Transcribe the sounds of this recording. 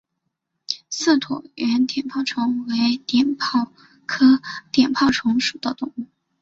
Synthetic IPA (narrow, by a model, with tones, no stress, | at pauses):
sɹ̩˥˩t̪ʰwɔ̰˨˩ɛ˧˥nt̪jɛ˨˩npʰɑ˥˩ʊʈ͡ʂʰʊ˧˥ŋwe˧˥ɪt̪jɛ˨˩npʰɑ˥˩ | kʰɤ˥t̪jɛ˨˩npʰɑ˥˩ʊʈ͡ʂʰʊ˧˥ŋʂu˨˩d̪ə˦˥t̪ʊ˨˩ŋu˥˩